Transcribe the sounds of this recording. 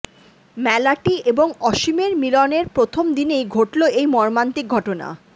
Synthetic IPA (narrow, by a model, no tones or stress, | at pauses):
mɛlaʈieboŋɔʃimeɾmilɔneɾpɾot̪ʰomd̪inejɡʱoʈloejmɔɾmant̪ik̚ɡʱɔʈona̰